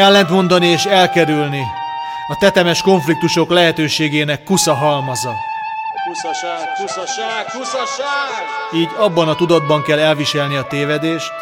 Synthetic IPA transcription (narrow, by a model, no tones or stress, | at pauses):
ɛlːɛnt̪mo̞nd̪ɒnieːʃɛlkɛɾylni | ɒt̪ɛt̪ɛmɛʃko̞ɱflik̚t̪uʃo̞klɛɦɛt̪øːʃeːɡeːnɛkːusɒɦɒlmɒzɒ | u | u | usʃ | iːɟɒbːɒnɒt̪ud̪ɒd̪̚bɒŋkɛlːɛlviʃɛlniɒt̪eːvɛd̪eːʃt̪